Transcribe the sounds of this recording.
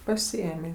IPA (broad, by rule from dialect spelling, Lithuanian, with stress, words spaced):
pɐˈsʲɪeːmʲeː